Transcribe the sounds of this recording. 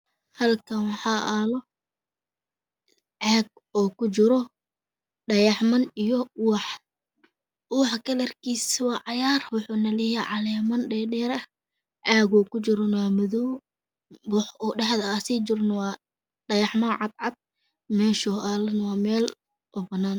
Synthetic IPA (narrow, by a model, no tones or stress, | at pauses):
hɐlkʰɐnwɑħɑʔaːlɔ | ʕaːɡ̚ | ɔːkʊt͡ʃɪɾɔ | ɖɐjɑħmɐnijɔwɑħ | ʔuːħkʰɐlɐrkʰiːswɑːʕɑjaːrwʊħʊnɐlɛjɛʕɑlɛːmɐnɖɛːɖɛːɾɐ | ʕaːɣɔːkʊt͡ʃɪɾɔnwɑːmɐðɔw | bʊħɔːɖɑħðɐːsid͡ʒɪɾnɐwɑː | ɖɐjɑħmɐnʕɑd̪̚ʕɑd̪̚ | mɛːʃɔʔaːlɐnɐwɑːmɛːl | ʔɔːbɐnaːn